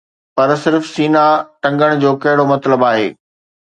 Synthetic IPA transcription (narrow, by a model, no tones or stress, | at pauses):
pɐɾsɪɾfsiːnaʈɐ̃ŋɡəɽ̃d͡ʑoːkɐɦɪɽomɐt̪ləbaːɦḛː